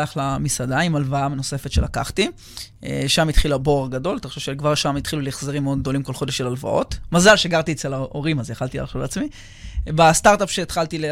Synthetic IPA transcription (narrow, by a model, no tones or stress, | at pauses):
aχlamisadaimalvaameno̞se̞fet̪ʃe̞laka̰χt̪i | eʃamit̪χilaboaʁɡado̞lt̪aχʃovʃekvaʁʃamit̪χiluliχzeʁimːeod̪̚ɡ̚d̪o̞limkolχo̞deʃelalva̰ʔo̞̰tmazalʃeɡaʁt̪iet͡selaʔo̞ʁimazeχalt̪ila̰lʃulat͡smi | bastaʁtapʃeːt̪χalt̪il